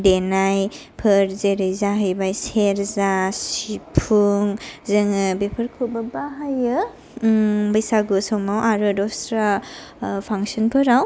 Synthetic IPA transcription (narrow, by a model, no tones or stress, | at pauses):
denaj | pʰɯɾzeɾɯjzaɦɯjbajseɾzasipʰuŋzɯŋɯbepʰɯɾkʰɯbabaɦajɯ | bajsaɡɯsɔmawʔaɾɯdɔsɾa | pʰaŋsɔnpʰɯɾaw